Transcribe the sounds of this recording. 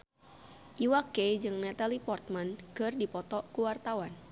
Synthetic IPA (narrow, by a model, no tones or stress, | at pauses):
ʔiwaked͡ʒɨŋnɛt̪alipɔrt̪̚mankɨrdipɔt̪ɔkuwart̪awan